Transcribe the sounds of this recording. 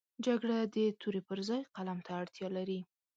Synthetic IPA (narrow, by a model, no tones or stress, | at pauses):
d͡ʒaɡɽad̪ət̪ʰuɾepəɾzɑjqalamt̪ʰaːɽt̪jɑlaɾi